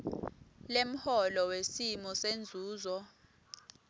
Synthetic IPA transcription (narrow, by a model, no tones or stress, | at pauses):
lem̩hɔlɔwesimɔsend͡zʱuːzɔ